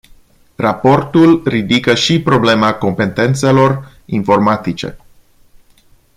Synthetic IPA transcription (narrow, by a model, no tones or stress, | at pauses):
rapo̞rt̪ulrid̪ikəʃipɾo̞ble̞mako̞mpe̞t̪e̞nt̪se̞lo̞r | info̞rmat̪it͡ʃe̞̰